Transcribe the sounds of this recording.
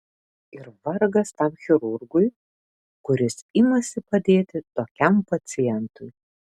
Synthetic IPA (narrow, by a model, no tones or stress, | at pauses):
ɪɾʋɐɾɡɐst̪ɐmxʲɪɾʊɾɡʊj | kʊɾʲɪsɪmɐsʲɪpɐd̪ʲeːt̪ʲɪt̪oːkʲɛmpɐt̪sʲɪjɛnt̪ʊj